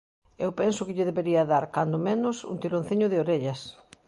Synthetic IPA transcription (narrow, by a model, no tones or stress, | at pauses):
ewpɛnsʊkɪʎɪðeβeɾiɐðaɾkand̪ʊmẽnʊsṵnt̪iɾõn̟θiɲʊðɪoɾeʎɐs